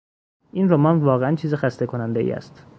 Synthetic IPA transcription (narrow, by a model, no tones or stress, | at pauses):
ʔiːnɾomɒnvɒːɣeænt͡ʃʰiːzexæst̪e̞kʰo̞nænd̪eḭæ̰st̪